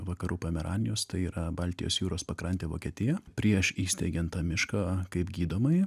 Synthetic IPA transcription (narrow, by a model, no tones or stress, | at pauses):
ʋɐkɐɾuːpʲɐmʲɛɾɑ̰ːnʲɪjoːst̪ɐɪiːɾɐbɑlʲt̪ʲɪjo̰sjuːɾoːspɐkɾɐnʲt̪ʲeːʋo̰ːkʲiɛt̪ʲɪjɛpʲɾʲiɛʃiːsʲt̪ʲɛɪɡʲɛnt̪t̪ɑːmʲɪʃkɑkɐɪpɡʲiːd̪oːmɐɪ